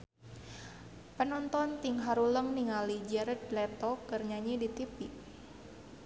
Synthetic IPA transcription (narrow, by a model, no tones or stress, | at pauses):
pənɔnt̪ɔnt̪iŋɦaɾuləmniŋalid͡ʒɛɾədlɛt̪ɔkərɲaɲidit̪ipi